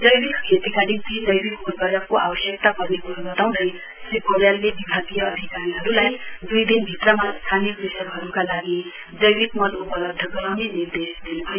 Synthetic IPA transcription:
d͡zʌjbikkʰet̪ikad̪int̪id͡zʌjbikoɾɡaɾakoʔa̰bʌsjək̚t̪akʌɾnekobʌt̪aw̃d̪ʌj | sikoɾjalːebibʱaɡijʌːd̪ʱikaɾiɦʌɾulajd̪ujd̪inbʱit̪ɾəmast̪ʰanikɾisəbɦʌɾukalaɡi | d͡zʌjwikmʌlupələb̚d̪ʱəɡʌɾameniɾd̪esd̪inuɦʌj

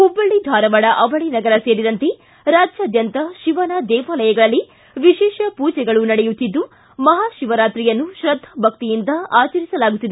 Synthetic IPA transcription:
hubːɐɭːid̪ʱaːɾɐʋɐɽɐʔɐʋɐɭinɐɡɐɾɐse̞ːɾid̪ɐnt̪e | ɾaːd͡ʒjaːd̪jɐnt̪ɐʃiʋɐnɐd̪ɛːʋaːlɐjɐɡɐɭɐlːi | ʋiʃɛːʃɐpuːd͡ʒɛɡɐɭunɐɽɛjut̪ːid̪ːu | mɐɦaːʃiʋɐɾaːt̪ɾijɐnːuʃɾɐd̪ʱːɐbʱɐk̚t̪ijind̪ɐaːt͡ʃɐɾisɐlaːɡut̪ːid̪e

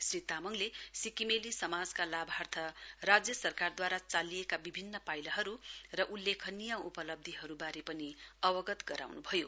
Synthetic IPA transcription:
srit̪amʌŋlesikimelisʌmad͡zkalabʱart̪ʰʌrad͡zjʌsʌrkard̪waɾat͡salijekabibʱinːʌpajlʌɦʌɾurʌʔulːekʰʌnijaupʌlʌb̚d̪ʱiɦʌɾubaɾepʌniʌbʌɡʌt̪ɡʌɾa̰wnubʱʌjo

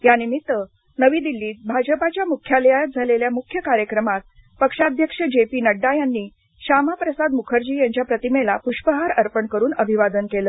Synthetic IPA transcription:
janimit̪ːə | nəʋiːd̪ilːiːt̪̚bʱad͡ʑəpat͡ɕjamukʰːjaljajət̪̚d͡zʱaleljamukʰjəkaɾjəkɾəmat̪̚ | pəkʂad̪ʱjəkʂəd͡ʑepiːnəɖːajanːiː | ɕamapɾəsad̪mukʰəɾd͡ʑiːjaɲt͡ɕjapɾət̪imelapuʂpəɦaɾəɾpəɳkəɾuːnəbʱiʋad̪ənkeləː

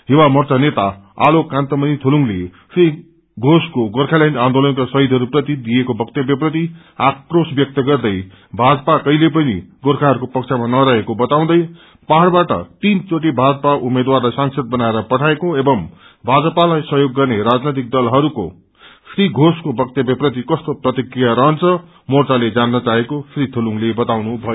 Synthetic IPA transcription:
ɦiwamʌrt͡sanet̪a̰alokãnt̪ʌmʌnit̪ʰoluŋlesri | ɡʱoskoɡorkʰalaɳɖãnd̪olʌnkasʌɦit̪ɦʌɾuprʌt̪id̪ijekobʱʌk̚t̪ebjʌbrʌt̪i | ak̚prosbjʌk̚t̪ʌɡʌrd̪ʌj | bʱad͡zʌpakʌɦilep̬ʌnḭɡorkʰaɦʌɾukopʌkt͡sʰamanʌɾaɦekobʌt̪aw̃d̪ʌj | paɦɽbaʈʌ̰t̪int͡soʈ̬ibʱad͡zʌpaʔumed̪warlajsaŋsʰʌd̪̚bʌnaeɾʌpʌʈʰaekoebʌm | bʱad͡zʌpalajsʌɦjoɡːʌrneɾad͡znet̪ik̚d̪ʌlɦʌɾuko̰ | sriɡʱoskobʱʌk̚t̪jʌbjʌprʌt̪̬ikʌst̪oprʌt̪ikrijaɾʌɦʌnt͡sʰʌ | mort͡saled͡zanːʌt͡saɦekosrit̪ʰoluŋlebʌt̪awnubʱʌjo

